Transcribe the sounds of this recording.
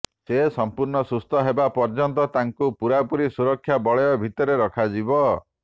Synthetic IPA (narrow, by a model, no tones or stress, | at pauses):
sesɔmpuɾɳɔsust̪ɔɦebapɔɾd͡ʒɔnt̪ɔt̪aŋkupuɾapuɾisuɾɔkʰːjabɔɭɔjɔbʱit̪ɔɾeɾɔkʰad͡ʒibɔ